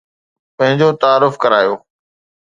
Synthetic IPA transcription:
pɐ̃ɦɪ̃ɲd͡ʑot̪aːɾːʊfkɐɾaːjoː

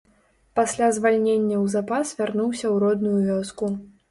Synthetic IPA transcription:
pasʲlʲazvalʲnʲenʲːɐwzapasvʲarnuwsʲɐwɾɔd̪nujuvʲɔsku

